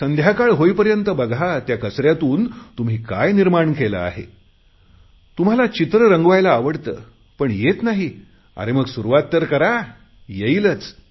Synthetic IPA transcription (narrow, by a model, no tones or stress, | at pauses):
sənd̪ʱjakaɭɦojpəɾjənt̪əbəɡʱat̪jakəsɾjat̪uːnt̪um̤iːka̰jniɾmaɳkelə̰a̰ɦḛ | t̪um̤alat͡ɕit̪ɾəɾəŋɡʋajlaːʋəɽt̪ə̰ː | pəɳjet̪naɦi | a̰ɾeməɡsuɾuʋat̪ːəɾkəɾa | jeilət͡s